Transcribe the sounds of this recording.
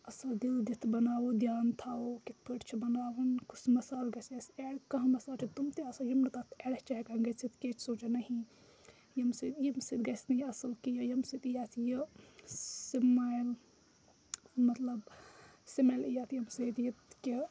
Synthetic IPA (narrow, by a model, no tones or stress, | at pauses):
ɐsɐld̪ild̪it̪ʰbɐnaːwod̪jaːnt̪ʰaːokit̪̚pʰəʈt͡ʃʰibɐnaːʋɐnkusʰmɐsaːlɡɐsɐseɽkɐɦmɐsaːlt͡ʃʰit̪umt̪eɐsajimnɨt̪aːt̪ʰeɽht͡ʃaɦkɐŋɡɐt͡sʰit̪ket͡ʃʰsoːt͡ʃanɐɦi | jɐmsit̪jimsit̪ɡɐsnɐjɐsɐlkijɐjɐmsit̪ijaːt̪ʰjə | simajl | mɐt̪lɐbsimalijaːt̪ʰjɐmset̪jɐt̪ki